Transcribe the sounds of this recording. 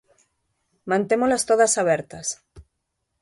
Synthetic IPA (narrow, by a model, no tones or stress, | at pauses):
mãnt̪emolast̪oðasaβ̞ɛɾt̪as